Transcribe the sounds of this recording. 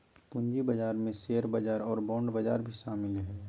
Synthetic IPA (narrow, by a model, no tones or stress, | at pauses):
pʊ̃ɲd͡ʒibəd͡ʒaːɾmẽseːəɾbəd͡ʒaːɾɔːɾbɔ̃ːɳɖbəd͡ʒa̰ːɾbʱiʃaːmɪlɦɛː